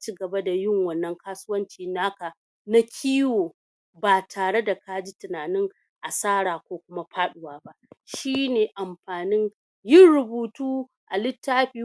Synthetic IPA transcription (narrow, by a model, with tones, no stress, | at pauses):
a˦t͡ʃiː˦ɡɐ˨ba˦da˨jɪ˦˨ŋwɐ˨nːɐ˦ŋkaː˦sʊ˦wɐ˦nt͡ʃiː˨naː˦ka˨ | na˦kʲʰiː˦woː˨ | baː˨tʰaː˨ɽe˦da˨ka˦d͡ʒi˦tɪ˨naː˨nɪ˦ŋ | ʔa˨saː˦ɽaː˨kʷoː˦kʷʊ˦ma˦ɸaː˦ɗʊ˨waː˦ba˦ʔʃiː˦neː˨ʔa˨mɸaː˨nɪ˦n | jɪ˦˨nɽʊ˨buː˨tuː˦ | ʔa˨lɪ˦tːaː˦ɸiː˦